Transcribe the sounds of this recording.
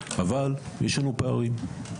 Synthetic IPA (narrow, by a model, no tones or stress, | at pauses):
avaljʔeʃlanupeaʁim